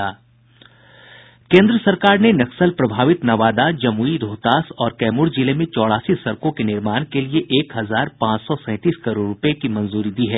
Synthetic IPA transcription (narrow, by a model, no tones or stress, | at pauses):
aː | kẽːnd̪ɾəsɐɾkaːɾnenɐksəlpɾɐbʱaːʋɪt̪nɐʋaːd̪ad͡ʒɐmuiɾoːt̪aːsɔːɾkɛːmʊɾd͡ʒilemẽt͡ʃɔːɽaːsisɐɾkõkenɪɾmaːnkelieʔeːkɦɐzaːɾpãːt͡ʃsɔsɛ̃ːt̪iːskɐɾoːɾːʊpekimɐ̃nzuːɾid̪iːɦɛː